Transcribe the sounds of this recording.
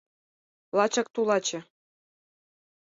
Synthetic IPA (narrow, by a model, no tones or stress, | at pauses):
lɑt͡ɕɑkt̪ulɑt͡ɕɤ̆